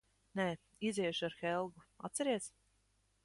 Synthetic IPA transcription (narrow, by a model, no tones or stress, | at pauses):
nɛː | izʲiɛʃuaɾxɛlˠɡua̰t̪t̪sɛɾiɛs